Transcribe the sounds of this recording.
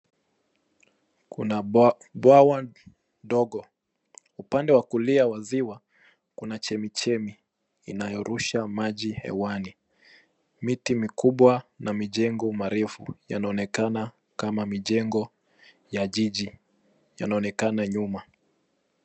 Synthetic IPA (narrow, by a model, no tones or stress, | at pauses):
kuna | ɓwawa | ndɔɠɔ | upandɛwakuliawaziwa | kunat͡ʃɛmit͡ʃɛmiː | najɔɾuʃamaʄihɛ̰wani | mitimikuɓwanamiʄɛŋɡɔmaɾɛfṵja̰naɔnɛkana | kamamiʄɛŋɡɔ | jaʄiʄi | janaɔnɛkanaɲuma